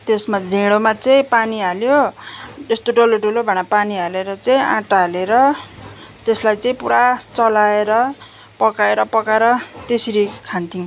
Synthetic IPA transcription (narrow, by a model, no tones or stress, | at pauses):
t̪esmad̪ʱeɽomat͡sʌĩpaniɦaljo | est̪oɖʌloʈulobʱʌñapaniɦaleɾʌt͡sʌĩʔã̰ʈaɦaleɾʌ | t̪eslajt͡sʌĩpuɾat͡sʌlaeɾʌ | pʌkaeɾʌpʌkaɾʌt̪esiɾikʰant̪ʰiŋ